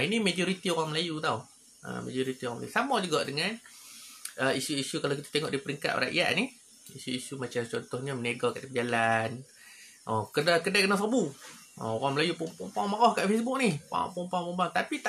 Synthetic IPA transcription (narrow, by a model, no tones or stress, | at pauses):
inimed͡ʒɔɾit̪ioɾaŋməlajut̪aw | ʔə̰ma̰d͡ʒɔɾit̪ioɾaŋmla̰jusamɔd͡ʒuɡaʔdəŋan | əisuisukalawkit̪ḁt̪eŋɔ̰ʔdipəɾiŋka̰t̪̚ra̰ʔja̰ʔnih | isuisumat͡ʃamt͡ʃɔnt̪ɔhɲamənaɡɔkaʔdipəd͡ʒalan | ʔɔkədakədakənaʔsabuʔɔ̰oɣaŋməlajupumpɔmpaŋmaɣɔhkaʔfesbʊk̚nihpa̰pɔmpaŋpɔmbaɔt̪apit̪a